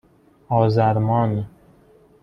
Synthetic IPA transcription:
ɒːzæɾmɒːn

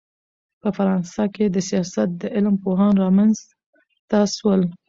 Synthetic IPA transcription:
pəfaɾɑnsɑked̪əsijɑsat̪̚d̪əʔɪlmpoɦɑnɾɑmanz | t̪ɑswəl

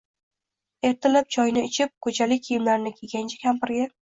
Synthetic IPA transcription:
e̞ɾt̪ʰɪlap̚d͡ʒʰɒjnɪɪt͡ʃʰɪp̚kʰɵd͡ʒʰalɪkʲʰijɪmlaɾnɪkʲʰeɡʲant͡ʃʰɪ̥kʲʰampɪɾɡʲa

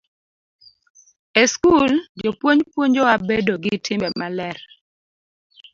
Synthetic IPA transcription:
eskuld͡ʒopwoɲpwoɲd͡ʒɔabedoɡitʰɪmbɛmalɛr

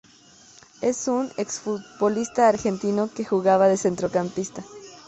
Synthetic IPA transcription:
e̞suneksfut̪̚bo̞list̪aːɾxe̞nt̪inoke̞xuɣaβaðe̞se̞nt̪ɾo̞kampist̪a

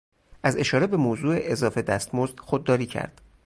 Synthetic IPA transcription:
ʔæze̞ʃɒːɾe̞be̞moːzuːe̞ʔezɒːfe̞d̪æst̪mozd̪̥xod̪̚ːɒːɾiːcʰæ̰ɾd̪̥

